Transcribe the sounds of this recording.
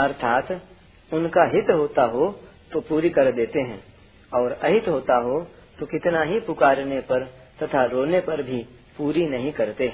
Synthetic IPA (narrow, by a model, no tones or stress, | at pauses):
ɐɾt̪ʰaːt̪ | ʊnkaɦɪt̪ɦoːt̪aɦot̪opuːɾikɐɾd̪eːt̪eɦɛ̃ː | ɔːɾɐɦɪt̪ɦoːt̪aɦo | t̪okɪt̪naɦipʊkaːɾnepɐɾ | t̪ɐt̪ʰaɾoːnepɐɾbʱi | puːɾinɐɦĩkɐɾt̪eɦɛ̃ː